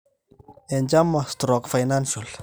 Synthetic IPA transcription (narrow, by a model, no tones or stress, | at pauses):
ɛnd͡ʒamːast̪ɾɔkfajnanʃɔl